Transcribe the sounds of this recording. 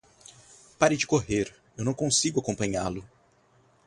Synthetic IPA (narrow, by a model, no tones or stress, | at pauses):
paɾɪd͡ʒɪkoɦeɾ | ewnɐ̃w̃kõsiɡʊakõmpɐ̃ɲalʊ